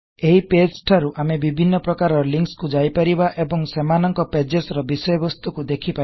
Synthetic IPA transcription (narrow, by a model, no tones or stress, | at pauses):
eɦiped͡ʒʈʰaɾuʔamebibʱinːɔpɾɔkaɾɔɾliŋkskud͡ʒajpaɾibaʔebɔŋsemanɔŋkɔped͡ʒesɾɔbisɔjɔbɔst̪ukud̪ekʰipa